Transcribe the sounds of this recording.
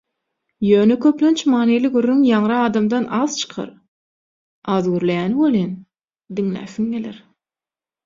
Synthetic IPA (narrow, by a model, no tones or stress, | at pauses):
jøːnekʰøplønt͡ʃmɑːneliɡyɾːyŋjɑŋɾɯɑːd̪ɑmd̪ɑnʔɑːðt͡ʃʰɯ̥qʰɑ̰ɾ | ɑːðɡyɾlejæːniwølˠin | d̪iŋlæ̰ːθiŋɡelḛɾ